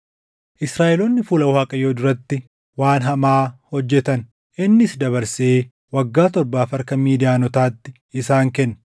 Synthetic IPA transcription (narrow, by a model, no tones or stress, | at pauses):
ʔɪsɾaːʔɛlɔnːɪfuːlɐwaːkʼɐjoːd̪ʊɾɐt̪ːɪ | waːnɦɐmaːhɔd͡ʒːɛt̪ɐn | ʔɪnːɪsd̪ɐβɐɾseː | wɐɡːaːt̪ɔɾbaːfɐɾkɐmiːd̪ɪaːnɔt̪aːt̪ːɪ | ɪsaːŋkɛnːɐ